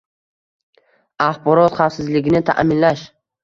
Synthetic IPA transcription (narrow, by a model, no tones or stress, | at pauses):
aχbɒɾɒt̪χafsɪzlɪɡʲɪnɪt̪ʰa̰ʔmɪnlaʃ